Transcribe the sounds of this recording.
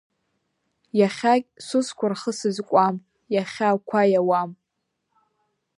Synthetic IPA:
jaχʲakʲʼsʷʊskʷʰʊrχəsɨzkʷʼam | jaχʲakʷʰajawam

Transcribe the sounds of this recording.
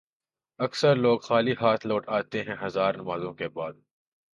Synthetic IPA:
ɐksəɾloːɡxaːliɦaːt̪ʰloːʈaːt̪eɦɛ̃ɦɐzaːɾnɐmaːzõkebaːd̪̚

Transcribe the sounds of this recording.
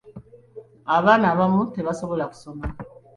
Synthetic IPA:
aβanaβamuteβasobolaku̥soma

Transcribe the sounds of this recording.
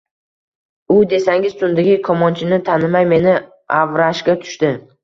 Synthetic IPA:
ʊd̪e̞saŋɪzt̪ʰʊnd̪ɪɡʲɪkʰɒmɒnt͡ʃʰɪnɪt̪ʰanɪmajme̞nɪ | avɾaʃkʲat̪ʰʊ̥ʃt̪ɪ

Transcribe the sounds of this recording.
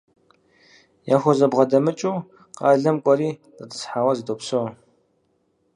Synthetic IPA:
jaːxʷɔzɐbʁɐdɐmɨt͡ʃʼuː | qɑːɮɐmkʷʼɔɾiːdɐtʰɨ̥sħaːwɐzitʼopsow

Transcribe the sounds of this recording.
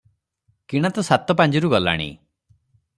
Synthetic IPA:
kiɽ̃at̪ɔsat̪ɔpand͡ʒɔɾuɡɔla̰ɽ̃ḭ

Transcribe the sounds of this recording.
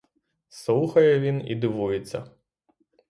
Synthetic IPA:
suxɐjɛvʲinḭd̪ɨʋujɛt̪sɐ̰

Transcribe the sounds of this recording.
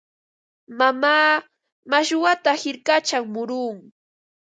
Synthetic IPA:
mamaː | maʃwat̪ahɪɾkat͡ʃaŋmʊɾuːŋ

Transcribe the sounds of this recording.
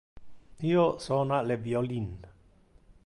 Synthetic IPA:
nijoʔsɔnaʔlɛbiɔlin

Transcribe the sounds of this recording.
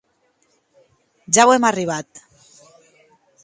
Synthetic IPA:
ʒawemariβ̞at̪

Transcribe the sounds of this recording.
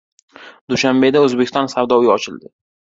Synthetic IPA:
d̪uʃambe̞d̪aɵzbekʲɪst̪ɒnsawd̪ɒwjɒt͡ʃʰɪld̪ɪ

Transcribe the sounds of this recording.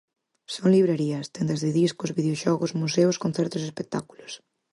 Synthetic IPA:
soŋliβɾeɾiɐst̪end̪ɐzðɪðiskʊzβiðeoʃɔɣʊsmuseʊskonθɛɾt̪ʊsespek̚t̪akulʊs

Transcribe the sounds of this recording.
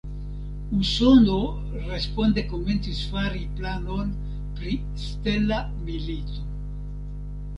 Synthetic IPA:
uso̞no | ɾe̞sponde̞ko̞me̞nt͡sisfaɾiplano̞n | pɾi | ste̞la | milito̞

